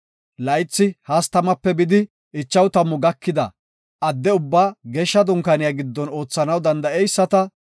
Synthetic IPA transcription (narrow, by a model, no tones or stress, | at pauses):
lɐjt͡sːɪhɐst̪ɐmɐpːɛbɪd̪ɪ | ʔɪt͡ʃːɐwt̪ɐmːʊɡɐkːɪd̪ɐ̰ | ɐd̪ːɛʊbːaːɡɛʃːɐd̪ʊŋkɐnɪjaɡɪd̪ːɔno̞ːt͡sːɐnɐwd̪ɐnd̪ɐɛjsːɐt̪ɐ